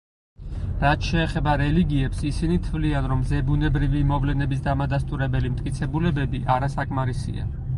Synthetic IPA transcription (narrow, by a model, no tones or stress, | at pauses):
ɾat̪ʃɛːχɛbaɾɛliɡiɛpsisinit̪ʰvlianɾɔmzɛbunɛbɾivimɔvlɛnɛbis̬d̪amad̪ast̪ʼuɾɛbɛlimt̪ʼkʼit̪sʰɛbulɛbɛbiʔaɾasakʼmaɾisḭa̰